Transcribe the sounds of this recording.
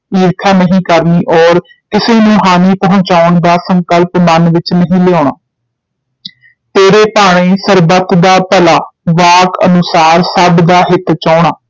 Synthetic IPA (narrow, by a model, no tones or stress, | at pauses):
iːɾkʰaːnəɦĩːkəɾniːʔɔːɾ | kɪseːnũːɦaːniːpəɦʊ̃t͡ʃaːʊɳd̪aːsəŋkəlpmənʋɪt͡ʃnəɦĩːleoːɳa̰ː | t̪eːɾeːpaːɽ̃eːsəɾbət̪d̪aːpəlaːʋaːkə̰nʊsaːɾsəbd̪aːɦɪt̪t͡ʃɔːɽ̃aː